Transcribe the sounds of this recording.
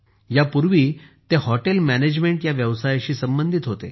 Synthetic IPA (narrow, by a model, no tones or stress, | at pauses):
japuɾʋiːt̪ehɔʈelmæned͡ʑmeɳʈjaʋjəʋsajɕiːsəmbənd̪ʱit̪ɦot̪ḛ